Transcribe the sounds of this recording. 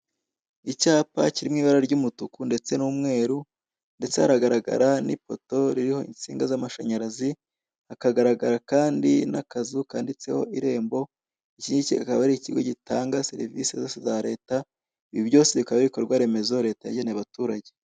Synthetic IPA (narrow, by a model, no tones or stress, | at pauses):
icaːpa̰ciɾimŋiːβaɾaɾɟumutukunde̞t͡se̞nuːmŋe̞ːɾu | nde̞t͡se̞haɾaɡaɾaɡa̰ɾanipo̞to̞ɾiɾiho̞ḭnt͡siːŋɡazamaʃaɲaɾazi | akaɡaɾaɡaɾakaːndinakazukaːndit͡se̞ho̞ʔiɾe̞ːmbo̞ | iciɲiciakaβaɾiiciɡo̞ɟitaːŋɡase̞̰ɾḭvḭsezo̞ːsezaɾe̞ːta | iβiβɟo̞ːse̞βikaβaβiko̞ɾɡwaɾe̞me̞zo̞ɾe̞ːtajeɟeneaβatuːɾaɟe